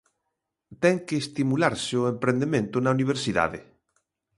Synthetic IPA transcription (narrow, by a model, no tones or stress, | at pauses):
t̪ɛŋkeːst̪imulaɾsɪoempɾend̪emẽnt̪ʊnauniβ̞eɾsiða̰ðḛ